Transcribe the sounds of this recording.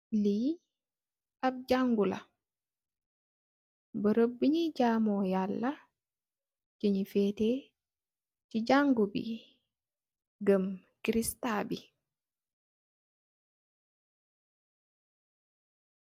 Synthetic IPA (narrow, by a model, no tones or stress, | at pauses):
li | ab̚ɟaŋɡula̰ | bəɾobːiɲiɟaːmɔjalːɐ | ciɲifɛte | ciɟaŋɡubḭ | ɡɐm | kiɾistaːbi